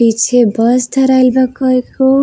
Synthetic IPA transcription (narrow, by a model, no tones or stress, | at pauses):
it͡sʰebʌsd̪ʱʌɾajlbʌkʌko